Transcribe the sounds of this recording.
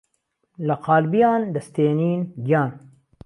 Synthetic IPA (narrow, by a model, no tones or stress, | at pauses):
lɐqʰɑːlbijɑːnd̪ɐst̪eːniːnɡijɑːn